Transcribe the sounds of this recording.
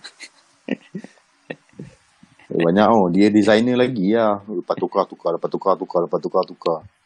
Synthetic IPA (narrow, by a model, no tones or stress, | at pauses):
ə̰baɲaʔodiədizajnəlaɡiahupat̪ukat̪ukalapat̪ukat̪ukaləpat̪ukat̪uka